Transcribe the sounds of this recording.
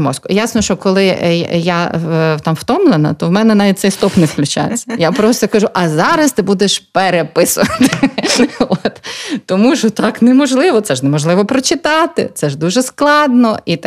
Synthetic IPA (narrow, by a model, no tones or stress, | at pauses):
mɔskʊjasnɔʃt͡ʃɔkɔlˠɪjat̪ɑmwt̪ɔmlˠenɐ̰t̪ɔwmɛnɛnɑʋʲit̪̚ʲsɛjst̪ɔpnewklʲʊt͡ʃa̰j̰t͡sʲːɐjapɾɔst̪ɔkɐʒuʔɐzɑɾɐst̪ɪbud̪eʃpeɾepɪsʊʋɐt̪ɪ | ot̪ːɔmuʒɔt̪ɑknɛmɔʒlˠɪʋɔt̪sɛʒnɛmɔʒlˠɪʋɔpɾɔt͡ʃɪt̪ɑt̪ɪ̰t̪sɛʒd̪uʒɛsklˠɑd̪nɔʔit̪